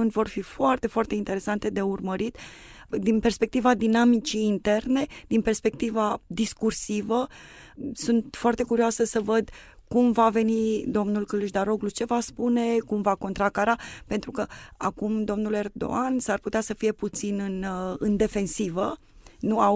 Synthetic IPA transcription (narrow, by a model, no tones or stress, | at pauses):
unʲvo̞rfifoart̪e̞foart̪e̞int̪e̞ɾe̞sant̪e̞d̪e̞urməɾit̪ | d̪inpe̞rspe̞k̚t̪ivad̪inamit͡ʃiːnt̪e̞rne̞d̪̥inpe̞rspe̞k̚t̪ivad̪iskursivə | sunt̪foart̪e̞kuɾioasəsəvəd̪ | kumvave̞nid̪o̞mnulkɨluʃd̪aɾo̞ɡlut͡ʃe̞vaspune̞kumvako̞nt̪ɾakaɾape̞nt̪ɾukəakumd̪o̞mnule̞rd̪o̞̰ansarput̪easəfije̞put̪sinɨnɨnd̪e̞fe̞nsivə | nua